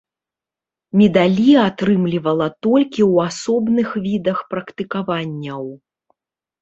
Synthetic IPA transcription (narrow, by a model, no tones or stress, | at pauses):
mʲɛd̪alʲiat̪ɾɨmlʲivɐlˠɐt̪ɔlʲkʲiwasɔbnɨxvʲid̪ɐxpɾɐkt̪ɨkavanʲːɐw